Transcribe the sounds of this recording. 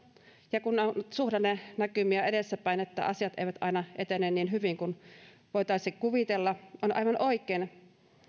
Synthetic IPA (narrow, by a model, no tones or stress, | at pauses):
jɑkunːonsuhdɑnːenækymiæedesːæpæinet̪ːæ̰ʔɑ̰siɑt̪ḛijʋæt̪ɑinɑʔet̪enːˑeːnniːnɦyʋiŋkun | ʋoit̪ɑisikuʋit̪elːɑʔonʔɑ̰ijʋɑnʔoikˑeːn